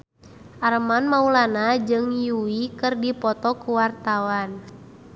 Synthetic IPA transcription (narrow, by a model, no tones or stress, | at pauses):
ʔaɾəmanmaulanad͡ʒɨŋjuwikɨrdipɔt̪ɔkuwart̪awan